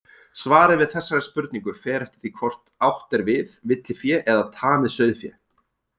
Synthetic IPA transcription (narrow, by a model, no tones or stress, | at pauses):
svaːɾɪðvɪðθɛsːaɾɛspʏɾt̪nĩŋkʏfɛːɾaht̪ɪ̥θikʰvɔr̥t̪awht̪ɛɾvɪðvɪt̪lɪfjɛʔɛðat̪ʰaːmɪðsœɥðfjɛ̰